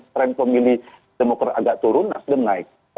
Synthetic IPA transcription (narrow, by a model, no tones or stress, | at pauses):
t̪ɾɛnpəmili | d̥emokɾataɡaʔt̪uɾʊnasdəŋnaɪk̚